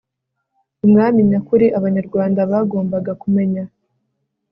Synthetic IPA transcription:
umŋaːmiɲakuɾiʔaβaɲaɾɡwaːndaβaːɡo̞ːmbaɡakume̞ɲa

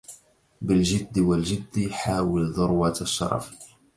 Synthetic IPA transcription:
bɪld͡ʒɪd̪ːwald͡ʒɪd̪ːjħaːwɪlðˤʊɾˤwat̪aʃːɑ̰ɾˤɑ̰f

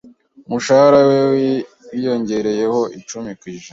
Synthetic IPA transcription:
muʃahaɾawew | wijo̞ɲɟe̞ɾe̞je̞ho̞ʔit͡ʃumikwiːʒaa

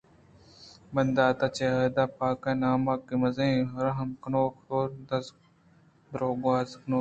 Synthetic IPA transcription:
mɐnd̪aːt̪at͡ʃeɦɐd̪aːpaːkɐnaːmakːimɐzẽːɾɐɦɐmkɐnoːxtoːɾd̪ɐs | d̪ɾoːɡwaːzknoː

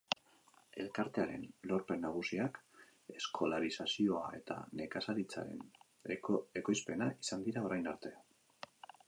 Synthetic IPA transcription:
e̞̰lkaɾt̪e̞aɾe̞̰nlo̞ɾpe̞nːaɣ̞usiak | e̞skʰo̞laɾisasio̞ae̞t̪a̰ne̞kasalit͡sa̰ɾe̞̰n | e̞ko̞jspe̞naisand̪iɾao̞ɾajnaɾt̪e̞

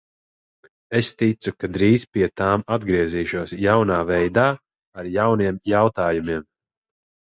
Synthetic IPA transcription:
est̪it̪sukad̪ɾiːzpʲiɛt̪aːmad̪̚ɡɾiɛziːʃuɔsjawnaːvɛjd̪aː | aɾjawniɛmjawt̪aːjumiɛm

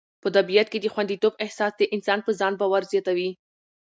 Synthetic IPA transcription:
pət̪abijat̪̚ked̪əxwand̪it̪obɪhsɑsd̪əʔɪnsɑnpəzɑnbɑwaɾzjɑt̪awi

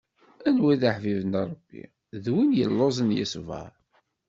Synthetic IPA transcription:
ænwiðaħvivənɾˤəbːḭ | ðwinjə̰lːozˤənjə̰svɑ̰ɾˤ

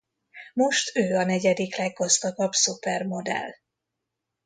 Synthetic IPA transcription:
mo̞ʃt̪ʰøːɒnɛɟɛd̪iklɛɡːɒzt̪ɒɡɒbsupɛrmo̞d̪ɛ̰l

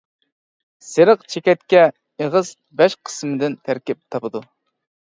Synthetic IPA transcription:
seɾəqt͡ʃʰekʲɛt̪̚kʲɛ | eʁəz | bɛʃqʰə̥smɪd̪ɪnt̪ʰæɾkʲɪp̚t̪ʰɑpɨd̪u

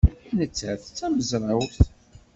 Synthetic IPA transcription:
nət͡sːæθt͡sːæməzɾˤɑwɾθ

